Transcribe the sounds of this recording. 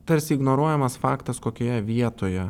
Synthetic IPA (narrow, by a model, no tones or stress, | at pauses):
t̪ɐɾʲsʲɪːɡnoːɾuɔjɛmɐsfɑːkt̪ɐskoːkʲoːjɛʋʲiɛt̪oːjɛ